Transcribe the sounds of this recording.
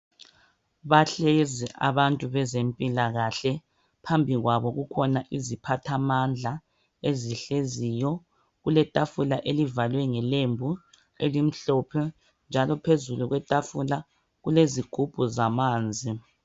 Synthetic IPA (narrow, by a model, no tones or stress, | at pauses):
βaɬeziʔa̰βantʼuβɛzempʼilaɣaɬɛ | pʰambʱiɣwaβɔɣukʰɔnaʔizipʰatʰamand͡ɮʱa | eziɬezijɔ | ɣulɛtʼafulaʔelivalwɛŋɛlembʱu | elim̩ɬɔpʰɛ | nd͡ʒʱalɔpʰezuluɣwɛtʼafula | ɣuleziɡ̥ʱub̥ʱuzamaːnd͡zʱi